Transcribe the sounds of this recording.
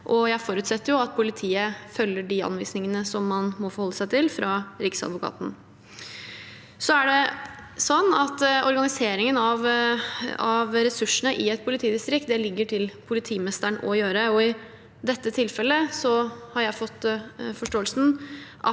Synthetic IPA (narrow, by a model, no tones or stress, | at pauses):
ʔɔjæɪfoːɾʉːt̪sɛt̪ːəɾjʊɑt̪̚pʰʊlɪt̪ʰiːəfœlːəɖiɑ̰nʋḭːsnɪŋənəsɔmːɑnmɔfɔɾhɔlːəsæɪt̪ʰɪlfɾʔɑːɾɪksɑ̰d̪ʋʊkʰɑ̰ːt̪n̩ | sɔæɖɛsɔnːɑt̪ːɔ̰ɾɡɑnɪseːɾɪŋənɑʋ | ɑʋɾɛsʉʂəɳəʔɪɛt̪̚pʰʊlɪt̪ʰiːd̪ɪst̪ɾɪk̚t̪̚d̪ɛlɪɡːəʈʰɪlpʰʊlɪt̪ʰiːmɛst̪əɳɔ̰jøːɾəɔɪ | d̪ɛt̪ːət̪ʰɪlfɛlːəsɔhɑɾjæɪfɔt̪ːfɔʂʈoːəlsn̩ʔɑ̰